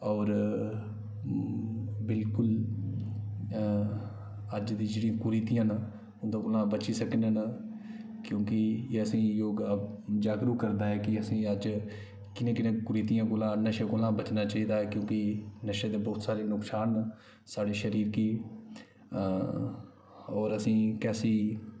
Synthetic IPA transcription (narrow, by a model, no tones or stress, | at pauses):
ɔːɾ | bɪlkʊl | əd͡ʒd̪ĩːd͡ʒeːɽĩãːkʊɾiːt̪ijãːna | ʊnd̪ãːɡoːlãːbət͡ʃiːsəknen | kjõːkɪeːəsĩːjoːd͡ʒaːɡɾuːkəɾd̪aːɦɛːkɪəsĩːəd͡ʒ | kɪnẽːkɪnẽːkʊɾiːt̪ijãːɡoːlãːnəʃeːɡoːlãːbət͡ʃnaːt͡ʃaːiːd̪aːɦɛːkjõːkɪnəʃed̪eːbɔːt̪saːɾeːnʊksaːn | saːɽiːʃəɾiːɾkiː | ɔːɾəsĩːkɛːsiː